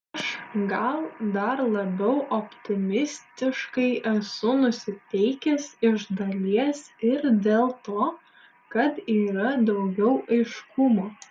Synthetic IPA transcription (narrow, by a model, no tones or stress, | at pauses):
ʃɡɐlˠd̪ɐɾlˠɐbʲɛʊʔopʲt̪ʲɪmʲɪsʲt̪ʲɪʃkɐɪʔɛsʊnʊsʲɪt̪ʲɛɪkʲɛsɪʒd̪ɐlʲiɛsɪɾd̪ʲeːlˠt̪oː | kɐt̪iːɾɐd̪ɐʊɡʲɛʊʔɐɪʃkʊmoː